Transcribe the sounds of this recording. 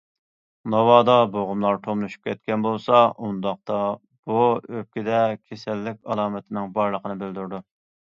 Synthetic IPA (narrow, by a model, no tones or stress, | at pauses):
nɑwɑːd̪ɑboʁʊmlˠɑɾt̪ʰomnuʃu̥p̚kʲʰɛt̪kʲɛnbolˠsɑʔund̪ɑq̚t̪ɑ | b̥uøp̚kʲɪd̪ɛkʲʰesɛlːɪk̚ʲɑlˠɑːmɛt̪ʰɪnɪŋbɑɾlˠəqʰənɨbɪld̪yɾd̪u